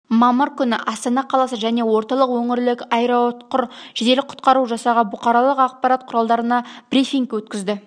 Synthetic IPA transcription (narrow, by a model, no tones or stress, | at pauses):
mɑməɾkʲʰʏnɪʔɑst̪ɑnɑqʰɑlˠɑsəʒæne̞wo̞ɾt̪ɑlˠəqwɵŋɪɾlɪkɑjɾɑwot̪qʊɾʒ̥ɪd̪e̞lɪk̚qʰʊ̥t̪̚qɑɾuʒɑsɑʁɑbʊqɑɾɑlˠəqɑq̚pɑɾat̪̚qʰʊɾɑlˠd̪ɑɾənɑb̥ɾifʲiŋkwɵt̪̚kʲɪzd̪ɪ